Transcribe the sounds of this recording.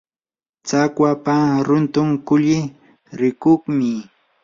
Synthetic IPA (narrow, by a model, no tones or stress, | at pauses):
t͡sakwapaɾʊnt̪ʊŋkʊʎɪ | ɾɪkoχmɪ